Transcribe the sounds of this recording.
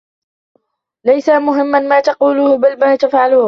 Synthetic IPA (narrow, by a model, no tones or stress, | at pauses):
lajsamʊɦɪmːanmaːt̪ɑquːlʊhbalmaːt̪afʕalʊːh